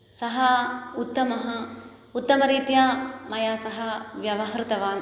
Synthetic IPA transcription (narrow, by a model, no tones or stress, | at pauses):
sɐɦɐut̪ːɐmɐɦɐ | ut̪ːɐmɐɾiːt̪jɐmɐjaːsɐɦɐʋjɐʋɐɦɾɪt̪ɐʋaːn